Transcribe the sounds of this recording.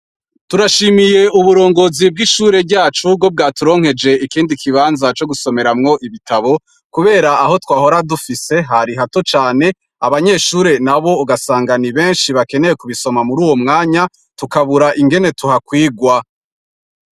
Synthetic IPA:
tuɾaʃiːmije̞uβuɾo̞ːŋɡo̞zib̚ɡiʃuːɾe̞ɟaːt͡ʃubɡo̞b̚ɡaːtuɾo̞ːŋhe̞d͡ʒe̞ikiːndikʰiβaːnzat͡ʃo̞ɡuso̞me̞ɾamŋo̞ʔiβitaβo̞ | kuβe̞ːɾaːɦo̞twaːho̞ɾadufise̞ɦaɾiɦatot͡ʃaːne̞ | aβaɲe̞ːʃuːɾe̞naβo̞uɡasaːŋɡaniβe̞ːnʃiβake̞ne̞jekuβiso̞mamuɾuːwo̞mŋaːɲa | tukaβuɾaʔiŋɡe̞ne̞tuɦakwiːɡwa

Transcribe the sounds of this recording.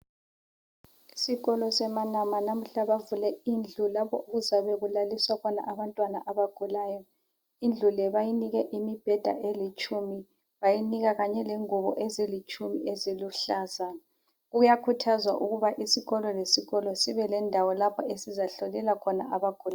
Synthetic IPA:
isiɣɔlɔsɛmanamanam̩ɬaβavulɛind͡ɮʱulapʰɔuɣuzaβɛɣulaliswakʰɔna̰ʔaβantʼwanaʔaβaɡ̥ʱulaːjɔ | ind͡ɮʱulɛβajiniɣɛʔimib̥ʱɛd̥ʱa̰ʔelit͡ʃʼumi | βajiniɣaɣaɲɛleŋuβɔ̰ʔezilit͡ʃʼumiʔeziluɬazana | ɣujakʰutʰazwa̰ʔuɣuβaʔisiɣɔlɔlesiɣɔlɔsiβɛlɛndʱawɔlapʰɔesizaɬolilakʰɔnaʔaβaɡ̥ʱula

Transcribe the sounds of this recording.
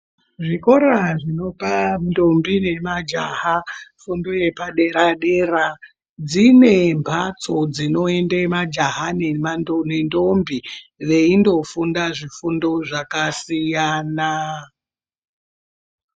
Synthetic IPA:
ʐiko̞ɾaʐino̞panndombine̞mad͡ʒahafundoje̞paɗeɾaɗe̞ra | d͡zine̞mpʰat͡so̞d͡zino̞e̞ndemad͡ʒaɦanemanonendo̞mbiʋe̞indo̞fundaʐifundo̞ʐakasijaːna

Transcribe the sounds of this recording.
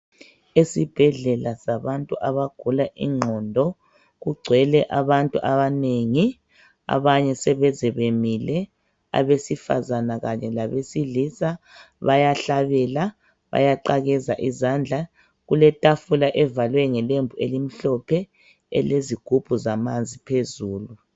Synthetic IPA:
esib̥ʱɛɮɛlasaβantʼuʔaβaɡ̥ʱulaʔḭŋ͡ǃʱɔndʱɔ | ɣuɡ͡ǀʱwɛlɛʔaβantʼṵʔaβaneŋi | a̰βaɲɛsɛβɛzɛβemilɛ | a̰βesifa̰zanaɣaɲɛlaβesilisa | βajaɬaβɛla | βa̰jaǃaɣɛzaʔizand͡ɮʱa | ɣulɛtʼafulaʔɛvalwɛŋɛlembʱuelim̩ɬɔpʰɛ | ɛ̰leziɡ̥ʱub̥ʱuzamand͡zʱipʰezuːlu

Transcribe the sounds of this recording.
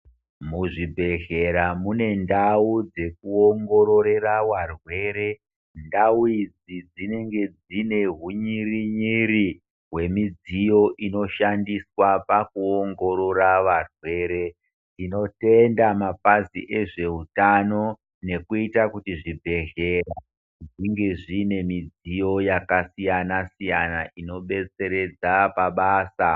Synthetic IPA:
muʐibʱe̞ɣe̞ɾamune̞ndaud͡ze̞kuoŋɡo̞ɾo̞ɾe̞ɾawarwe̞ɾe̞ | ndauid͡zid͡zine̞ŋɡe̞d͡zine̞ɦuɲiriɲiɾi | ɦwe̞mid͡zijo̞ʔino̞ʃandiswapakuoŋɡo̞ɾo̞ɾaʋarwe̞ːɾe̞ | d͡zino̞te̞ndamapazḭʔe̞ʐe̞utano̞ | ne̞kuitakutiʐibʱe̞ɮe̞ra | ʐiŋɡe̞ʐine̞mid͡zijo̞jakasijanasijanaʔino̞ɓe̞t͡se̞ɾe̞d͡zapaɓaːsa

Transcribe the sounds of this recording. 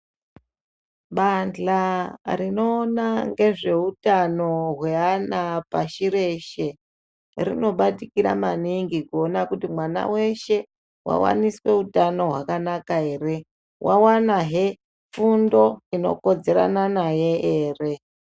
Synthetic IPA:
ɓand͡ɮarino̞ːnaŋɡe̞ʐe̞utano̞ɦweanapaʃiɾe̞ʃe̞ | rino̞ɓatikiɾa̰maniŋɡikuonakutimwana̰we̞ʃe̞ | wa̰wa̰niswe̞utano̞ɦwakanakaɦe̞ːɾe̞ | wʔawanaɦe | fundo̞ino̞̰ko̞d͡ze̞ɾa̰nanaje̞eːre̞

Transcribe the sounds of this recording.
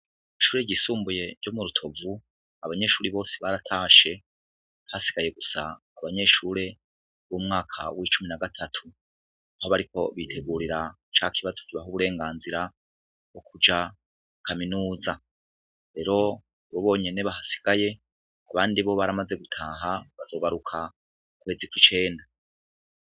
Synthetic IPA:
iʃuːɾe̞ɟiːsuːmbuje̞ɾɟo̞muɾutʰo̞vu | aβaɲe̞ʃuːɾiβo̞ːseβaɾatʰaːʃe̞ | hasi̥ɡ̥aje̞ɡusaː | βaɲe̞ʃuɾe̞ | βumŋaːkʰa̰wʔit͡ʃuminaɡatʰatʰu | aho̞βaɾiko̞̰βitʰe̞ɡuːɾiɾat͡ʃaːkʰiβazokiβaɦuβuɾe̞ːŋɡaːnziɾa | βo̞kud͡ʒa | kʰaminuːza | ɾe̞ɾo̞ | βoβo̞ːɲe̞neβaɦasi̥ɡ̥aje̞ | aβaːndiβo̞βaɾamaze̞ɡutʰaːɦaβazo̞ɡaɾukʰa | ukwe̞ːzikwit͡ʃe̞ːnda

